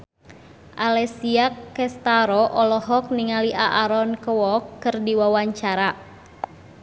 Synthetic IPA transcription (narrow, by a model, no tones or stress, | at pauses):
ʔalɛsiakːɛst̪aɾɔʔɔlɔɦɔk̚niŋaliʔaʔaɾɔnkəwɔkːɨrdiwawaɲt͡ʃaɾa